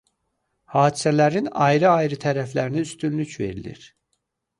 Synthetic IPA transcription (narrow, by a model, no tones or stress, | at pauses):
hɑːd̪isælæɾinɑ̰jɾɯɑjɾɯt̪ʰæɾæflæɾiniyst̪ynlycve̞̰ɾilḭɾ